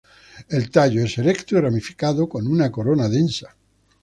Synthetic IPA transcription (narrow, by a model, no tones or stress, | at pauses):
e̞lt̪aʎoeselekt̪uiramifi̥kaðoko̞nunako̞ɾonaðensḁ